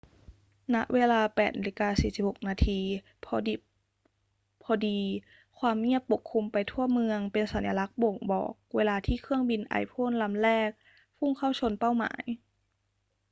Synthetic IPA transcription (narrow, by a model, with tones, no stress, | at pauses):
na˦˥ʔweː˧laː˧pɛː˨˩t̪̚ne˧li˧kaː˧siː˨˩si˨˩p̚ho˨˩k̚naː˧t̪ʰiː˧ | pʰɔː˧di˨˩ | pʰɔː˧diː˧ | kʰwaː˧mŋi˥˩ət̪̚pːo˨˩kʰːu˧mpa˧jt̪ʰu˥˩əmɯ˧əŋpe˧nsa˨˩˦nja˧la˦˥k̚bo˨˩ŋbɔ̰ː˨˩k̚weː˧laː˧t̪ʰiː˥˩kʰɯ˥˩əŋbi˧nʔa̰˧˩jpʰoː˥˨nla˧mlɛː˥˩k̚ | pʰu˥˩ŋkʰa˥˩wt͡ɕʰo˧npa˥˩wma̰ː˩˦j